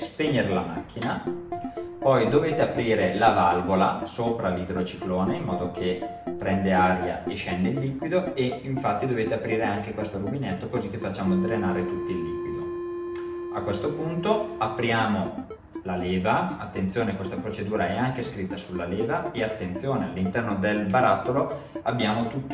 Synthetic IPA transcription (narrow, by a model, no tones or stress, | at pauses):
speɲːeɾelama̰k̟ːina | pɔjd̪oveːt̪eapːɾiːɾelavalvola̰soːpɾalid̪ɾot͡ʃi̥kloːneimːɔːd̪okʰe | pːɾɛnd̪eaɾja̰eʃːɛnd̪eilːiːkwid̪oeiɱfat̪ːid̪oveːt̪eapːɾiːɾeaŋkekwest̪oɾubinɛt̪ːokozikːefːat͡ʃːaːmod̪ɾenaːɾet̪ut̪ːiilːiːkwid̪o | akːwest̪opunt̪oapːɾjaːmo | laleːvaat̪ːent̪sjoːnekwest̪apɾot͡ʃed̪uːɾaɛaŋk̟eskɾit̪ːasulːaleːvaeat̪ːent̪sjoːnealːint̪ɛrnod̪elbaɾat̪ːoloabːjaːmot̪ut̪ː